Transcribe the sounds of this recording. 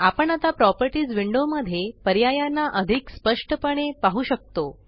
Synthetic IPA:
apəɳat̪apɾɔpəɾʈiːd͡zʋiɳɖoməd̪ʱːjepəɾjajanːaʔəd̪ʱikspəʂʈəpəɽ̃epaɦuːɕək̚t̪o

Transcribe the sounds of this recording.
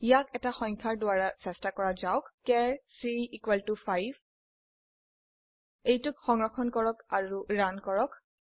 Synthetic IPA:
ijakɛtaxɔŋkʰaɹdʊaɹasɛstakɔɹazawkkɛɹsiikwɛltupʰajv | ejtʊkxɔŋɹɔkʰɔnkɔɹɔkaɹuɹankɔɹɔk

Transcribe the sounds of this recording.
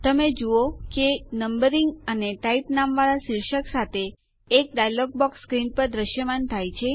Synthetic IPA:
t̪əmed͡ʒuokenəmbəɾiŋɡəneʈaipnamʋaɾaʃiɾʃəksat̪ʰeː | k̚ɖajlɔɡ̚bɔksːkɾinpəɾd̪ɾəʃjəmant̪ʰajt͡ʃʰe

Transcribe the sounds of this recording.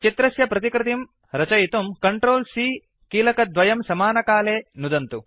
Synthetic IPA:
t͡ʃit̪ɾɐsjɐpɾɐt̪ikɾɪt̪im | ɾɐt͡ʃɐjt̪umkɐɳʈɾoːlsiː | kiːlɐkɐd̪ʋɐjɐmsɐmaːnɐkaːleːnud̪ɐnt̪u

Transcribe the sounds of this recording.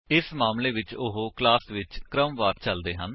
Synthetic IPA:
ɪsmaːmleːʋɪt͡ʃʊɦoklaːsʋɪt͡ʃkɾəmʋaːʈ̚t͡ʃəld̪eːɦən

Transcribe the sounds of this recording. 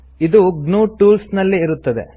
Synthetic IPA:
id̪uɡnuːʈuːlsnɐlːiːɾut̪ːɐd̪ḛ

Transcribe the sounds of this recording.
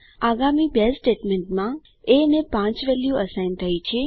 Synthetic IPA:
aɡamibesʈeʈmeɳʈmã | eənepãt͡ʃʋɛljuəsajnt̪ʰəjt͡ʃʰe

